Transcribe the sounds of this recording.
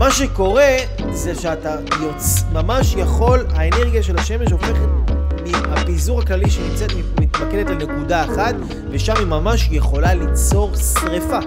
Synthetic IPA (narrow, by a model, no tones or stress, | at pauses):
maʃe̞ko̞ʁe̞ | zeʃeat̪a | jomamaʃjaχo̞laene̞ʁɡijaʃe̞laʃe̞me̞ʃ̬o̞fe̞χet̪miapizuʁaklaliʃenimt͡set̪mimit̪makedet̪lene̞kudaeχat̪ | ve̞ʃamimamaʃje̞χo̞lalit͡so̞ʁsʁefa